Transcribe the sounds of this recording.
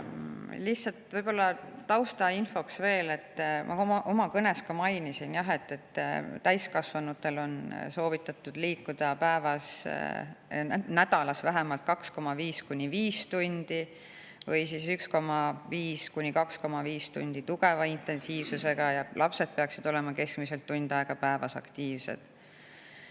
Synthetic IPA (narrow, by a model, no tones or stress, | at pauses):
lihtsɑlt̪vɤjb̥o̞lːɑːɑwst̪ɑinfo̞ksve̞ːle̞t̪ːˑmʔɑ̰ʔo̞mɑkɤne̞skɑmɑjnisinjɑɦe̞t̪ːe̞t̪ːt̪æjskɑsvɑnut̪ːˑe̞lo̞nso̞ːvit̪ːˑɑt̪ːˑud̪̥liːkːud̪̥ɑpæevɑs | næd̪̥ɑlɑsvæɦemɑlt̪̚kɑksko̞mɑviːskunʲiviːst̪unʲd̪̥i | vɤjsisyksko̞mɑviːskunʲːikɑksko̞mɑviːst̪und̪̥it̪uɡ̥e̞vɑint̪e̞nsiːvsuse̞ɡ̥ɑjɑlʔɑpse̞d̪̚peɑksid̪̥o̞le̞mɑke̞skmise̞lt̪ːunʲd̪̥ɑeɡ̥ɑpæevɑsɑ̰kt̪iːvsḛd̪̥